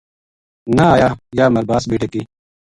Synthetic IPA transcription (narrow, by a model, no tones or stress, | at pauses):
naaːjaːjaːmɐlbaːsbiːʈeki